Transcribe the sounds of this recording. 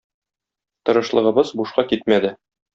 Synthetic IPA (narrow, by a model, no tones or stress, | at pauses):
t̪ɤ̆ɾɤ̆ʃlˠɤ̆ʁɤ̆bɤzbuʃqɑkit̪mæd̪ɘ